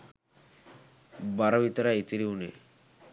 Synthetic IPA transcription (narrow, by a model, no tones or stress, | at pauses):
baɾoʋit̪aɾait̪iɾiunḛ